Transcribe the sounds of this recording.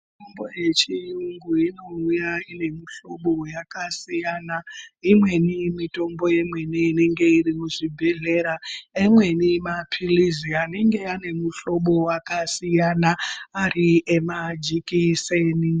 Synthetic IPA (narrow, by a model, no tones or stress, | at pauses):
mitombo̞̰je̞t͡ʃiuŋɡuino̞ujaine̞muɬo̞ɓo̞jakasijanaimwe̞nimito̞mbo̞je̞mwe̞niːne̞ŋɡe̞irimuʐibʱe̞ɮe̞ɾaemwe̞nimapʰiliziane̞ŋɡe̞ane̞muɬo̞ɓo̞wakasijanaːriʔemad͡ʒikiseni